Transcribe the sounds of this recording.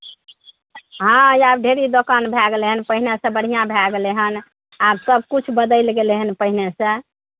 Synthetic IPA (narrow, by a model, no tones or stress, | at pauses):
ɦãiab̚ɖʱeɾid̪okanbʱɛɡleɦənpəɦinesə̃bəɽ̤ijãbʱɛɡleɦən | absəb̚ʱkut͡ʃʰbəd̪əjlɡeleɦənpəɦinesə̃